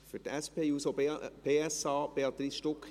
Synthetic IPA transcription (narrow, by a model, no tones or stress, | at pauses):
fyɾtæspeːusob̥eːæsɑːb̥eɑt̪ɾisʃtɔk